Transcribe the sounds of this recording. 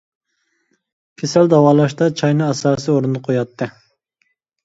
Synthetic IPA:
kʲʰesæld̪ɑwɑːlˠɑʃt̪ɑt͡ʃʰɑjnɨɑsɑːsɨoɾund̪ɨqʰojɑt̪ʰːɨ

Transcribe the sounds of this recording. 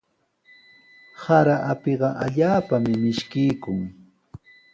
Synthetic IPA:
haɾaʔapeɢɑʔaʎaːpamɪmɪʃkɪjkʊŋ

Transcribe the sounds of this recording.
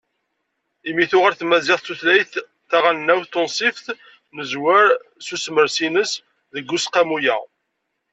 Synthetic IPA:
imiθʊʁaɾθmæzɪʁˤt̪ːuθlæjθː | æʁannːæwθt̪ːonsˤifθ | nəzwəɾsusməɾsinəs | ðəɡːusqamujæ̰

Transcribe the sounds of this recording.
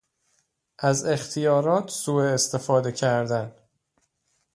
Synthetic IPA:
ʔæze̞xt̪ʰijɒːɾɒːt̪ʰsuːeːst̪ʰe̞fɒːd̪e̞cʰæɾd̪æn

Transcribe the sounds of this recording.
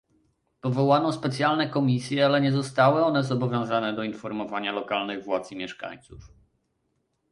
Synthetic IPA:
pɔvɔwanɔ̃spɛt̪sʲjalnɛkɔmʲisʲjɛalɛɲɛzɔst̪awɘɔnɛzɔbɔvʲjɔ̃w̃zanɛd̪ɔinfɔɾmɔvaɲalɔkalnɘɣvwat̪zmʲjɛʂka̰ɲt̪suf

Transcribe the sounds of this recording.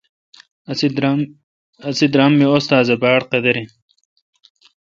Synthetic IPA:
ɐsid̪ɾamːioːst̪aːzɐbaːɽqed̪ɐɾi

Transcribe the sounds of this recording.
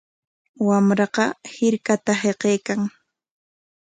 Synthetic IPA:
wamɾɑqɑhɪɾkat̪aɦeqejkaŋ

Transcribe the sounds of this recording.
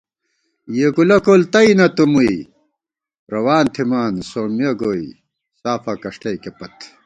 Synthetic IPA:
jeɡulɐkoːlt̪ɐinɐt̪umui | ɾɐwaːnt̪ʰimaːnsoːmijɐɡoːi | saːfɐkɐʂʈɐjkepɐt̪

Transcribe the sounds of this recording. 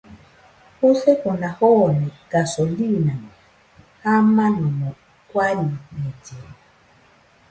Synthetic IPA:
huɬɛkɔnahɔnɛkasɔlina | hamanɔmɔ | kwalimɛtɛ

